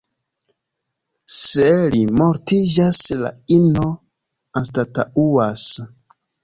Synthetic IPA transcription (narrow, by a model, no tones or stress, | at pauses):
selimoɾtid͡ʒasla̰ino | anstata̰uas